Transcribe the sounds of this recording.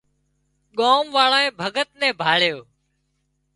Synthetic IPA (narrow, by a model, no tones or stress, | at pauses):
ɠoːmʋaːɭaːẽːbʱəɡət̪nɛ̃ːbʱaːɭjoː